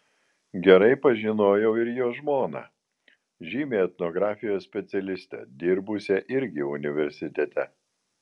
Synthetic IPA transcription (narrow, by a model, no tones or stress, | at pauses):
ɡʲɛɾɐɪpɐʒʲɪnoːjɛʊɪɾjoːʒmoːnɑ̰ː | ʒʲiːmʲeːɛt̪noɡɾɑːfʲɪjoːssʲpʲɛt̪sʲɛlʲɪsʲt̪ʲɛ̰d̪ʲɪɾbʊsʲɛʔɪɾʲɡʲɪʊnʲɪʋʲɛɾʲsʲɪt̪ʲɛt̪ʲɛ